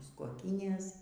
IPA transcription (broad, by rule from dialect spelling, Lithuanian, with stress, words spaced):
muːs koːˈkʲiːnʲeːs